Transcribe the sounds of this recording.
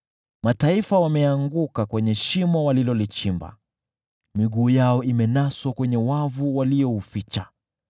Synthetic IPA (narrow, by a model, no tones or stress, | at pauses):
mataifawamɛaŋɡukakwɛɲɛʃimɔwalilɔlit͡ʃimba̰ | miɠuːjaɔimɛnaswakwɛɲɛwavuwaliɔufit͡ʃa